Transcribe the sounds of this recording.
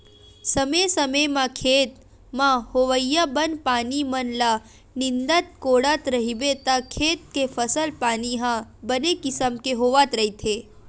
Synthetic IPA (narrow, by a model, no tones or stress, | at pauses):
səmesəmemãkʰeːt̪ | mãhoʋəjabənpaːnimənla | nɪnd̪at̪̚koːɽat̪ɾəɦibet̪akʰeːt̪̚kefʰəsəlpaːniɦãbənekɪsəmkeɦoːʋat̪ɾəɦit̪ʰe